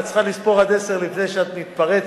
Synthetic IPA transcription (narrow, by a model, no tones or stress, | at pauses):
tt͡sχalispo̞ʁhad̪ese̞ʁlifnejʃeat̪mit̪paʁe